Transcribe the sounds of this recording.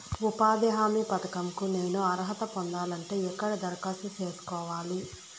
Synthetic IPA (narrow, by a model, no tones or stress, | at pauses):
upaːd̪ɛɦaːmipɐt̪ɐkɐmkune̞ːnuɐɾɦɐt̪ɐpond̪aːlɐɳʈe̞ːɛkːɐɽɐd̪ɐɾkasut͡ʃe̞ːsu̥kɔːʋaːli